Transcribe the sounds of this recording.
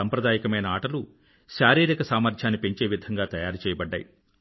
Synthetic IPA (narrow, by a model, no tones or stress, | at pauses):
ɐmpɾɐd̪aːjɐkɐmɐjnɐaːʈɐlu | ʃaːɾiːɾikɐsaːmɐɾd͡ʒjaːnːipe̞ɲt͡ʃeːʋid̪ʱɐŋɡaːt̪ɐjaːɾut͡ʃɛːjɐbɐɖːa̰ːji